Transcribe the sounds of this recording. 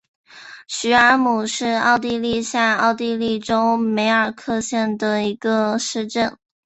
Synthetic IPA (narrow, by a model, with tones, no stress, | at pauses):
ɕy˧˥ə˞˧˥mu˨˩ʂɻ̩˥˧ɑ˥˧ʊt̪̬i˥˧li˥˧ɕjɛ˥˧ɪɑ˥˧ʊt̪i˥˧li˥˩ʈ͡ʂo˥ʊme˧˥ɪə˞˨˩kʰɤ˥˧ɕjɛ˥˩nd̪ə˩i˧˥ɡə˧ʂɻ̩˥˧ʈ͡ʂə˥˩n